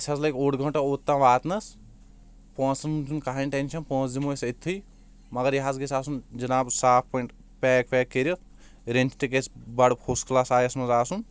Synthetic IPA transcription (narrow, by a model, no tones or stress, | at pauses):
sʲʰɐzlɐjkoːɽɡʱɐ̃ɳʈaoːt̪ːãːʋaːt̪nɐs | pɔ̃ːsɐnund͡ʒunkaɦɐnʲʈenʲʃʰɐnpɔ̃ːsd̪imosʲɐt̪ʰːɨj | mɐɡɐɾjɐɦaːzɡesaːsund͡ʒɐnaːbsaːp̚ʰpɐɳʈ | pʲɛːk̚pɛːkːeɾɐt̪̚ | ɾent͡ʃʈikesbɐɽpʰosklaːsaːjɐsmɐzaːsun